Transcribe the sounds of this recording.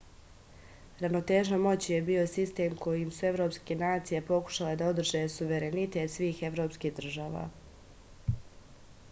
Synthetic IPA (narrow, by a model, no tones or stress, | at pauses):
ɾano̞t̪e̞ːʒnomo̞t͡ɕije̞bio̞sist̪e̞ːmko̞jimsue̞ʋɾo̞ːpske̞naːt̪sije̞po̞ku̥ʃale̞d̪ao̞d̪r̩ʒe̞suʋe̞ɾe̞nit̪e̞t̪sʋiːxe̞ʋɾo̞ːpskiːɣd̪r̩ʒaːʋa̰ː